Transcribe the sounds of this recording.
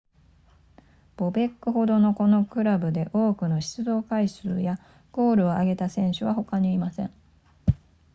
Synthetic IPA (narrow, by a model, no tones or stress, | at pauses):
b̥o̞be̞kːɯ̟ho̞d̪o̞no̞ko̞no̞kɯ̟ɾabɯ̟d̪e̞ʔo̞ːkɯ̟no̞ɕi̥t͡sɨd̪o̞ːkaisɨːja | ɡ̥o̞ːɾɯ̟o̞aɡe̞t̪asẽ̞ɰ̃ɕɨβaho̞kaɲ̟iːmasẽ̞̰ɴ